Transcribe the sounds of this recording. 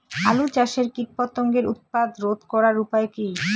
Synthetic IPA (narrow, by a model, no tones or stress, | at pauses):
alut͡ɕaʃeɾkiʈ̚pot̪ːoŋɡeɾut̪̚pad̪ɾod̪ʱkɔɾaɾupaekij